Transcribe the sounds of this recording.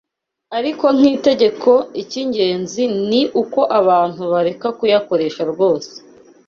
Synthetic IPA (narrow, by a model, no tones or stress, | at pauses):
aɾiko̞ŋ̥iːte̞ɟe̞kʰo̞iciɲɟe̞ːnziniʔuko̞ʔaβaːn̥huβaɾe̞kakujako̞ɾe̞ʃaɾɡo̞ːse̥